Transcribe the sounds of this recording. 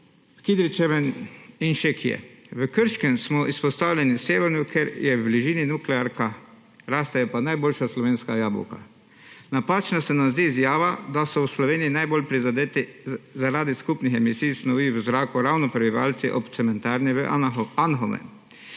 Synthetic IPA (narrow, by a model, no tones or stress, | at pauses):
kid̪ɾit͡ʃɛʋɛninʃekijɛ̰ʋəkəɾʃkɛmsmɔʔispɔst̪aːwlʲɛniseːʋɛɾnukʰeɾjɛwbliʒiːninuklɛaɾka | ɾaːst̪ajɛpanajboːlʃaslɔʋeːnskajaːbɔ̰wka̰ | napaːt͡ʃnasɛnazd̪iːzjaːʋad̪asɔwslɔʋeːnijinajbolpɾizad̪eːt̪izaɾaːd̪iskupnixɛmisijsnɔʋiwzɾaːkuɾawnɔpɾɛbiʋa̰ːlt̪siʔɔpt̪sɛmɛnt̪aːɾniʋəanɦɔmɛ̰